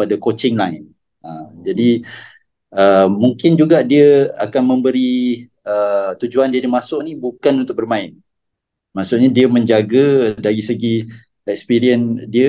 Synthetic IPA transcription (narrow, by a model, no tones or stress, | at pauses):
padakot͡ʃɪŋlaɪn | əmd͡ʒadi | əmuŋkɪnd͡ʒuɡaʔdiəa̰kanmə̃mbəɾi | ət̪ud͡ʒuandiədimasʊʔnĩbukanunt̪ʊk̚bərmãɪn | maʔsʊʔ̚ɲadiəmə̃ɲd͡ʒaɡadaɾisəɡi | ɛk̚spiɾiəndiə